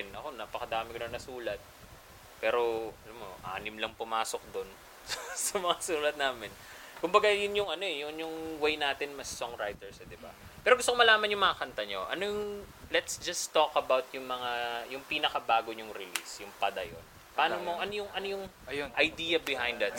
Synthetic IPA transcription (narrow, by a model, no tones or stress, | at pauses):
nɐko̞naːpɐkɐd̪aːmɪkonɐnɐsuːlɐt̪̚ | pɛːɾo̞ɐlɐmo̰ʔa̰ːnɪmlɐŋpʊmaːsok̚d̪on | sɐsɐmɐŋasuːlɐt̪̚naːmɪnkʊmbɐɡajʊnjʊŋɐno̞ɛjʊnjʊŋwejnaːt̪ɪnmɐssoŋɾajt̪ɛɹsɛd̪ɪba̰ | pɛːɾoɡʊst̪okomɐlaːmɐnjʊŋmɐŋɐkɐnt̪ɐɲo̞ʔɐ̰nojʊŋlɛt̪sd͡ʒɐst̪okɐbawt̪̚jʊŋmɐŋajʊŋpinɐkɐbaːɡoɲʊŋɾɪlḭsjʊŋpɐd̪ɐjo̰n | paaːnomoʔɐnojʊŋʔɐnojʊŋ | ʔɐjd̪iːjɐbɪɦãjnd̪ɐt̪̚